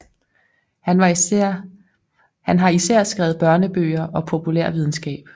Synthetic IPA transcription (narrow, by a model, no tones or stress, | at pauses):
hænɦɑ̈isæɐ̰sɡ̥ʁɛːʊð̞̩ˠb̥ɶɐnəb̥ø̰ːɐʔɒ̽pʰo̝pʰulɛɐ̰ʋið̞ˠn̩sɡ̥ɛ̰ːb̥